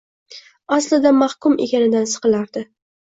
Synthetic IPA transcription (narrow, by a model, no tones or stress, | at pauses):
aslɪd̪amahkʊme̞kʲanɪd̪ansɨ̥qɨlaɾd̪ɪ